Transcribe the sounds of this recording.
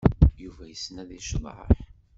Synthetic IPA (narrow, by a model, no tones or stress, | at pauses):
juvæjəsnæðiʃm̰ʕə̰ħ